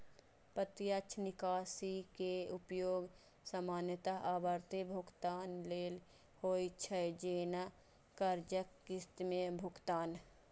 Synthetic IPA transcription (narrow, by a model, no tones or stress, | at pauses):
pət̪ijat͡ʃʰnɪkaːsikeʊpjoːɡ | səmaːnjət̪aʔaːbəɾt̪ebʱʊkt̪aːnleːl | hoːit͡ʃʰəd͡ʒeːna | kəɾd͡ʒəkːɪst̪mẽbʱʊkt̪aːn